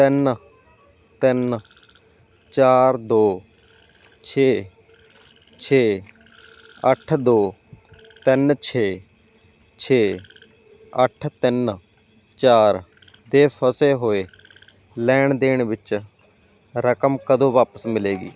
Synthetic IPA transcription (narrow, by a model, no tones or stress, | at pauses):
t̪ɪn | t̪ɪn | t͡ʃaːɾd̪oː | t͡ʃʰeː | t͡ʃʰeː | əʈʰd̪oː | t̪ɪnt͡ʃʰeː | t͡ʃʰeː | əʈʰt̪ɪn | t͡ʃaːɾ | d̪eːpʰəseːɦoːeː | lɛːɳd̪eːɳʋɪt͡ʃ | ɾəkəmkəd̪õːʋaːpəsmɪleːɡḭː